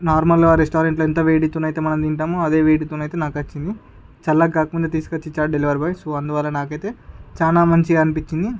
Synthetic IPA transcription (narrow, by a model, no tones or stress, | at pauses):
naːɾmɐlɡɐʋaɾesʈaːɾeɳʈloːent̪ɐʋeːʈit̪uːnɐjt̪eːmɐnɐmd̪iɳʈaːmuɐd̪e̞ːʋeːʈit̪unɐjt̪eːnaːkɐt͡ʃːind̪i | t͡ʃɐlːaɡaːkmund̪ɐt̪̬iːsu̥kɐt͡ʃːit͡ʃaːʈ̚ɖeliʋɐɾbɐjsoːɐnd̪uʋaːlːɐnaːkɐjt̪e̞ːt͡ʃaːnaːmɐɲt͡ʃiɐnipit͡ʃːind̪i